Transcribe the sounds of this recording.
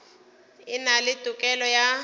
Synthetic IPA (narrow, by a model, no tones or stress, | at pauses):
ɪnalɪtʼʊkʼɛlɔja